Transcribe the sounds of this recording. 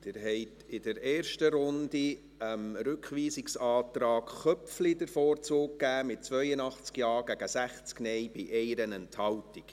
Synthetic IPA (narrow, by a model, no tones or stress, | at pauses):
d̥ɪːɾɦɛɪtɪdəɾeːɾʃtəɾʊndi | əmɾʉkχʋiːsɪksɑːtɾɑːkχœpflidəɾfoːɾt͡sʊːkkːæːmɪt̚t͡sʋœjənɑχt͡skjɑːɾɡ̥æɡəsæχt͡sknɛjb̥ɪʔɛɪɾənɛnthɑltɪk